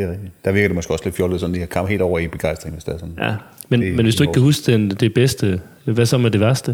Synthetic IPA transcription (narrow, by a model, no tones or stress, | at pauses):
d̥eɛɡ̚d̥id̥æ̈ʋiɐɡɐde̝mɒsɡ̥ɒ̽sle̝d̥fjɔːləð̩ˠsɒ̽nd̥ihɑ̈kʰɑ̈m̰he̝ːld̥ɒ̰ʊɐib̥e̝ɡ̥ɑ̈ɪsd̥ʁeŋʋe̝sd̥æɐsɔ̽njæ | menmenʋesd̥uekʰæɦusɡ̥d̥end̥e̝b̥esd̥ə | ʋæsɒ̽mæɐd̥e̝ʋæɐsd̥ə